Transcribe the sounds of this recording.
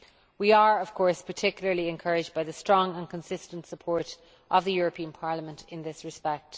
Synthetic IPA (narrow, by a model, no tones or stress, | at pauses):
wiə˞əv̥kʰɔɹspʰə˞tʰɪkjl̩ˠə˞liɛ̃nkʰɜɹɪd͡ʒbaɪðəstɹ̥ɔ̃ŋə̃nkʰə̃nsɪstə̃ntsəpʰɔɹɾ | ʔəvðəjʊɹəpʰĩə̃npʰɑɹləmə̃ntʰɪ̃nðɪsɹɨspɛk̚t